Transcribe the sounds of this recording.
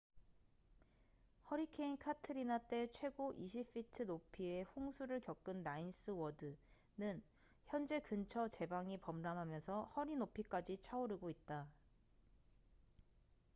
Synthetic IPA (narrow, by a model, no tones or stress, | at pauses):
hʌɾikʰe̞inkʰatʰɯɾinat͈e̞t͡ɕʰwe̞ɡoʔiɕʰif͈ʰitʰɯnopʰie̞hoŋsʰuɾɯɭkjʌk͈ɯnːains͈ɯwʌdɯ | nɯn | çjʌnd͡ʑe̞kɯnt͡ɕʰʌt͡ɕe̞baŋipʌmdamɦamjʌnsʰʌhʌɾinopʰik͈ad͡ʑit͡ɕʰaoɾiɡoit̚t͈a